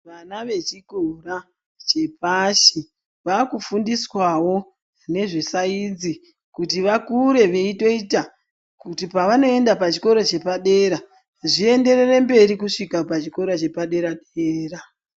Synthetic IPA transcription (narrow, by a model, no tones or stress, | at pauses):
ʋanaʋe̞t͡ʃiɡʱora | t͡ʃe̞p̚aʃi | ʋakufundiswawo̞ | ne̞ʐesaid͡zi | kutiʋakuɾe̞ʋe̞ito̞ita | kutipaʋano̞e̞ndapat͡ʃi̥ko̞ɾot͡ʃe̞paɗe̞ːɾa | ʐie̞nde̞rere̞mbe̞ɾikuʂikapat͡ʃiko̞ɾot͡ʃe̞paɗe̞ɾaɗeːra